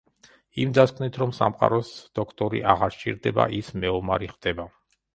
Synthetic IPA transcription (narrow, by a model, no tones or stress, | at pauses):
imd̪askʰvnit̪ʰɾɔmsa̰mqʼa̰ɾɔsd̪̥ɔkʰt̪ʼɔɾḭʔaʁaɾt͡ʃʼiɾd̪ɛba̰ʔismɛɔmaɾiχd̪̥ɛba